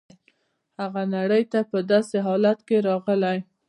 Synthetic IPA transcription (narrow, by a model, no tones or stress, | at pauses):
haɣanaɽəjt̪apəd̪ɑseɦɑlat̪keɾɑɣəlaj